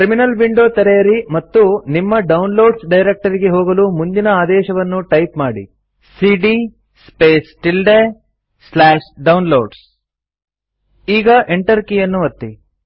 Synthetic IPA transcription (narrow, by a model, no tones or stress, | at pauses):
kɾiminɐlʋiɳɖo̞ːt̪ɐɾejɐɾimɐt̪ːunimːɐɖɐwnlo̞ːɖsɖɐjɾek̚ʈɐɾiɡe̞ɦɔːɡɐlumund̪inɐaːd̪ɛːʃɐʋɐnːuʈɐjpmaːɽḭ | siːɖi | speːsʈilɖe | slaːʂɖɐwnloːɖs | iːɡɐʔeɳʈɐɾkijɐnːuʋɐt̪ːi